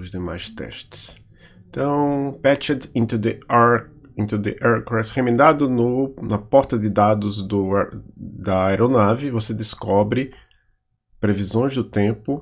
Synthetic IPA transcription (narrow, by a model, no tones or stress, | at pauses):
ʊzd̪ema̰jst̪ɛ̰ʃt̪ɪ̥s | t̪ɐ̃w̃pɛt͡ʃɐd̪ĩt̪ud̪ɪaɾ | ĩnt̪ud̪ɪ̰ʔɛɾkɾaft̪hẽmẽnd̪ad̪ʊnʊnɐpɔɾt̪ɐd̪ɪd̪ad̪ʊzd̪ʊ | d̪ɐajɾonavɪvosed̪ɪskɔbɾɪ | pɾevizõj̃zd̪ʊt̪ẽpʊ